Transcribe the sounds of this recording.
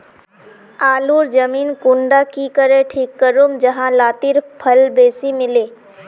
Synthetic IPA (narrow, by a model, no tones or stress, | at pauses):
aːluːɾd͡ʒəmiːnkʊ̃ɳɖakikəɾeʈʰiːkːəɾʊmd͡ʒɐɦãlaːt̪ɪɾpʰɐlbeːsimɪleː